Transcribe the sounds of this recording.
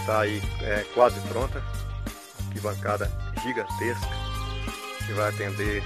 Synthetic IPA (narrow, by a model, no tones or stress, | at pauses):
t̪aːiɛkwazɪpɾõnt̪ɐ | akibɐ̃ŋkad̪ɐʒiɡɐ̃nt̪eskɐ̥ | kɪvajat̪ẽnd̪e